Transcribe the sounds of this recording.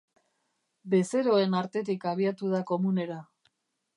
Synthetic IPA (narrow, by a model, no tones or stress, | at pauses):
be̞se̞ɾo̞e̞naɾt̪e̞t̪ikaβ̞iat̪uð̞ako̞mune̞ɾa